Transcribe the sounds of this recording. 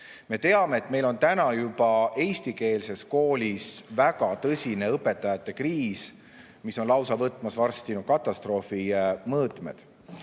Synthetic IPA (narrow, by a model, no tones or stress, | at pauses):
me̞t̪e̞ɑme̞ːt̪me̞jlo̞nt̪ænɑjubɑe̞jst̪ike̞ːlse̞sko̞ːlʲisvæɡ̥ɑt̪ɤsʲine̞ɤpːˑe̞t̪ːˑɑjɑt̪ːˑe̞kriːs | miso̞nlɑwsɑvɤt̪ːˑmɑsvɑrst̪inukɑt̪ˑːɑst̪ro̞ːfimɤːt̪ˑmḛd̪̥